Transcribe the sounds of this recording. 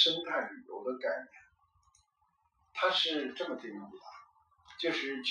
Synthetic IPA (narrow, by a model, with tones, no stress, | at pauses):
ʂə˥ŋt̪ʰa˥˩ɪly˨˩jo˧˥ʊd̪ə˧ka˥˩ɪnjɛ̰˥˩n | t̪ʰa˥ʂɻ̩˥˧ʈ͡ʂɤ˥˩ɡə˩t̪ʰi˧˥ŋtu˥˩ə˩ | t͡ɕjo˥˧ʊʂɻ̩˥˧t͡ɕ